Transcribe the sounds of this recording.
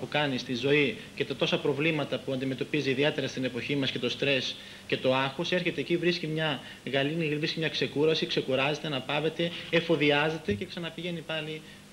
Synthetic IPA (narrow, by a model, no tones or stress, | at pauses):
pukɐnist̪izo̞i | ce̞t̪ɐt̪o̞sɐpɾo̞vlimɐt̪ɐpuɐnd̪ime̞t̪o̞piziːðie̞t̪e̞ɾɐst̪ine̞po̞çimɐsce̞t̪o̞st̪ɾe̞s | ce̞t̪o̞ɐxose̞ɾçe̞t̪e̞ːcivɾiscimɲɐ | ɣɐlinivɾiscimɲɐkse̞kuɾɐsikse̞kuɾɐze̞t̪e̞nɐpɐve̞t̪e̞efo̞ðiɐze̞t̪e̞ce̞ksɐnɐpiʝe̞nipɐli